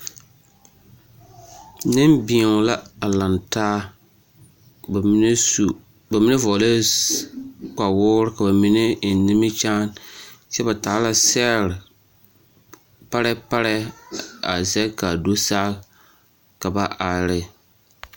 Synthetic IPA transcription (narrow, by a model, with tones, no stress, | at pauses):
nɪ˦mbi˨ŋ˨la˦a˨la˨ntaː˦˨˦ | n˦su˨ | ba˨mi˦ne˦vɔ˨le˦ | k͡pa˨wʊː˦ɾɪ˦ka˨ba˨mi˦ne˦˨nɪ˦mɪ˦t͡ʃaː˦nt͡ʃɛ˦ba˨taː˨˦la˨sɛ˦ɾɪ˨ | pa˦ɾɛ˦pa˦ɾɛ˦a̰˨zɛ˦ka˨do˦saː˦ | ka˨ba˨ʔa˨ɾɪ˦